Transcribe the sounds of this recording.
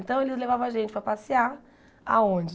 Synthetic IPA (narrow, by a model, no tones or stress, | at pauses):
nt̪ɐ̃w̃elɪzlevavɐ̃aʒẽnt͡ʃɪpɾɐpasiaɾ | a̰õd͡ʒɪ